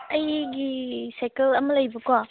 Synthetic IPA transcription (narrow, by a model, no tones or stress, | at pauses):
ɐjɡisajkelɐmɐlɐjbɐkwa